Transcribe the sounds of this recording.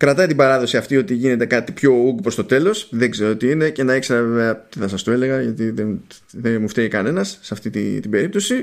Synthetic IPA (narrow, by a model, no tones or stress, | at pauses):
kɾɐt̪ɐjt̪ibɐɾɐðo̞siɐft̪io̞t̪iʝine̞t̪e̞kɐt̪ipço̞uɡ̚pɾo̞st̪ot̪e̞lo̞sðe̞ɡzeɾoot̪iine̞cenɐekse̞ɾɐveve̞ɐt̪iθɐsɐst̪ue̞le̞ɣɐʝɐt̪iðen | ðemuft̪eɣikɐne̞nɐsːɐft̪it̪it̪ibe̞ɾip̚t̪o̞si